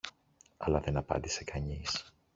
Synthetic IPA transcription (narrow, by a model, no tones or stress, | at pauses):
ɐlɐðe̞nɐpɐ̰nd̪ise̞kʰɐɲis